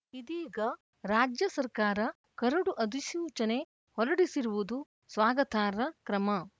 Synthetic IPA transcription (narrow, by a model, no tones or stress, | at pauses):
id̪iːɡɐ | ɾaːd͡ʒjɐsɐɾkaːɾɐ | kɐɾɐɽuʔɐd̪iʃuːt͡ʃɐne̞ | hɔɾɐɽisiɾuʋud̪u | sʋaːɡɐt̪ʰaːɾɐkɾɐmɐ